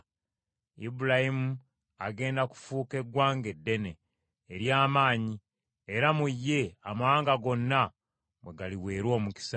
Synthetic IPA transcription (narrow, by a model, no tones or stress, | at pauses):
ibuɾahimu | aɡe̞ːndaku̥fuːke̞ɡwaːŋɡe̞dːe̞ne̞ː | ɾjaːmaːɲi | eɾamujːe̞amawaːŋɡaɡo̞nːa | mwe̞ɡaliwe̞ːɾwo̞ːmuki̥sa